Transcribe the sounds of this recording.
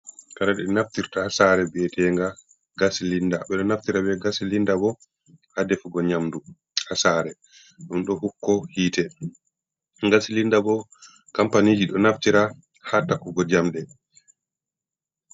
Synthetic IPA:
kaɾaɗɛnaftiɾtahasaːɾɛbɛtʰɛŋɡa | ɡasilindaɓɛɗɔnaftiɾabɛɡasilindaɡɔ | hadɛfuɡɔɲamdu | hasaːɾɛ | ɗumɗɔhukːɔhiːtɛ | ŋɡasilindaɡɔ | kampanid͡ʒiɗɔnaftiɾa | hatakuɡɔd͡ʒamɗɛ

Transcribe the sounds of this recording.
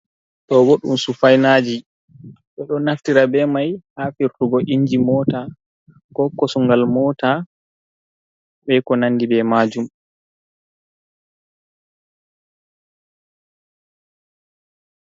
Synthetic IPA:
tɔwoɗːṵmsufajnaːd͡ʒi | ɗɛɗɔnaftiɾabɛmajhafiɾtuɡɔʔiɲd͡ʒimɔːta | kɔkːɔsuŋɡalmɔːta | ɓɛkɔnanːdibɛmad͡ʒum

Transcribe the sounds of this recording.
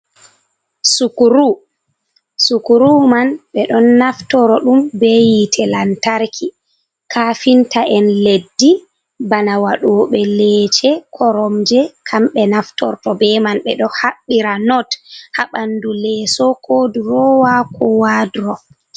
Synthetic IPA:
sukuɾu | sukuɾumanɓɛɗɔnːaftɔɾɔɗumbejitʰɛlantaɾkʰi | kʰaːfintaʔɛnledːi | banawaɗɔːɓɛlɛːt͡ʃɛkʰɔɾɔmd͡ʒɛkʰamɓɛnaftɔ̰ɾtɔbɛmanɓɛɗɔhaɓːiɾanɔthaɓandulɛːsɔkʰoːdiɾɔwakʰɔwaːdɾɔ

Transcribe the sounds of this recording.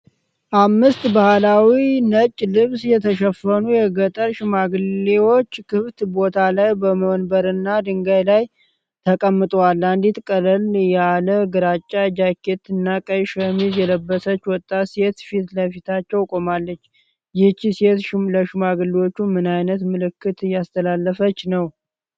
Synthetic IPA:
ʔamːɨst̪bahlawinət͡ʃʼːlɨβsjɛt̪ʰəʃəfənujɛɡət̪ʼəɾʃɨmaɡɨlːewo̞t͡ʃːkʰɨβt̪bo̞t̪ʰalajbəməwnbəɾɨnːad̪ɨŋɡajlaj | t̪ʰəkʼəmːɨt̪ʼwalːand̪it̪kʼələljɛaləɡɨɾat͡ʃʼːad͡ʒakʰːet̪ɨnːakʼəjʃəmizjɛləbːəsət͡ʃːwɔt̪ʼːase̞t̪fit̪ləfit̪ʰat͡ʃːɛwkʼo̞malːət͡ʃː | jɪt͡ʃːise̞t̪ʃləʃɨmaɡɨlewo̞t͡ʃːumɨnajnət̪mɨlɨkːɨt̪ɨjast̪ʰəlalːəfət͡ʃːnəw

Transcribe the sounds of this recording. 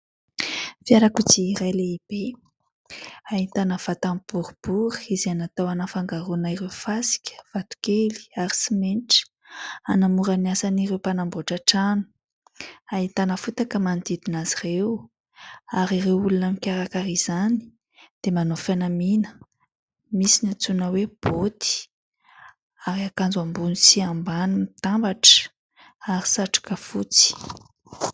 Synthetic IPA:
fiaɾakut͡siɾajleib̥e | aɦit̪anəv̥at̪amb̥uɾub̥uɾi̥izanat̪awanafaŋɡaɾunaiɾewfasi̥kʲə̥v̥at̪u̥keli̥aɾi̥simenʈ͡ʂə̥ | anamuɾaniasaniɾewpanamboʈ͡ʂaʈ͡ʂanu̥ | aɦit̪anəfut̪akəmand̪id̪inazirew | aɾiɾewulunamikʲaɾakaɾiz̥ani̥ | d̪̥emanofanaminə̥ | misinat͡sunəweb̥ot̪i̥ | aɾiakand͡zuambunisiambanumit̪ambaʈ͡ʂə̥ | aɾi̥saʈ͡ʂu̥kəfut͡si̥

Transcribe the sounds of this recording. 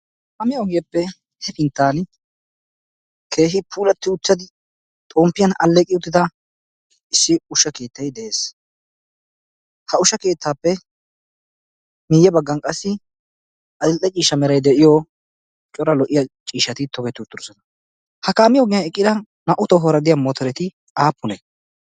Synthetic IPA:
kamɪɔɡɪjɐpːɛ | hɛpɪnt̪ːaːn | kʰe̞ːɦɪpʰuːlɐt̪ːɪʊt͡sːɐd̪ɪ | t̪ʼoːmpːɪjɐnɐ̰lːɛkʼɪʊt̪ːɪd̪ɐ | ɪsːɪʊʃɐke̞ːt̪ːɐjd̪ɛʔeːs | hɐʊʃɐke̞ːt̪ːaːpːɛ | mɪjɛbɐɡːɐnkʼɐsːɪ | ʔɐd̪ɪlt̪ʼːɛt͡ʃʼiːʃɐmɛɾɐjd̪ɛʔɪjɔ | t͡ʃʼɔɾɐlɔʔːɪjɐt͡ʃʼiːʃːɐt̪ɪt̪ɔɡɛt̪ːɪʊt̪ːʊɾʊsɔnɐ | hɐkaːmɪjɔɡɪjɐɛkʼːɪd̪ɐ | nɐʔʊt̪ɔɦɔɾɐd̪ɪjamɔt̪ɔɾɛt̪ɪ | aːpːʊnɛ

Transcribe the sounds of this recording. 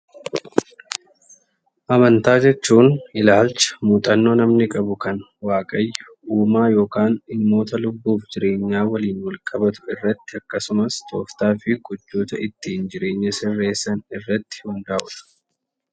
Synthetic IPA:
ʔɐmɐnt̪aːd͡ʒɛt͡ʃːuːnɪlaːlt͡ʃɐ̥muːt̪ʼɐnːo̞ːnɐmnɪkʼɐbʊkɐn | waːkʼɐjːɐʔuːmaːjo̞ːkaːnɪmːo̞ːt̪ɐlʊbːuːfd͡ʒɪɾe̞ːɲːaːwɐliːnwɐlkʼɐbɐt̪ʊ̥ɪrːɐt̪ːɪɐkːɐsʊmɐst̪o̞̰ːft̪aːfɪɡʊd͡ʒːoːt̪ɐɪt̪ːiːnd͡ʒɪɾe̞ːɲːɐsɪrːe̞ːsːɐnɪrːɐt̪ːɪ̥wɐnd̪aːʔʊᶑ̪ɐ̥

